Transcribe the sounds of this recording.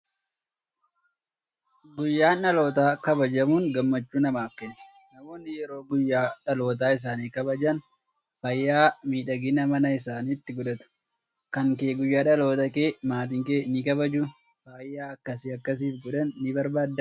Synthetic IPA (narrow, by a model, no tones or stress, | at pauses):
ɡʊjːaːnːɐlo̞ːt̪aːkɐbɐd͡ʒɐmuːŋɡɐmːɐt͡ʃːuːnɐmaːfkɛnːɛ̥ | nɐmo̞ːnːɪjɛɾo̞ːɡʊjːaːᶑɐlo̞ːt̪̬aːɪs̬aːniːkɐbɐd͡ʒɐn | fɐjːaːmiːᶑɐɡɪnɐmɐnɐɪs̬aːniːt̪ːɪɡʊᶑɐt̪ʊ̥ | kɐŋkeːɡʊjːaːᶑɐlo̞ːt̪ɐkeːmaːt̪̬ɪŋkeːnɪkɐbɐd͡ʒʊ | faːjːaːɐkːɐsiɐkːɐs̬iːfɡʊᶑɐnːɪbɐɾbaːd̪ːɐ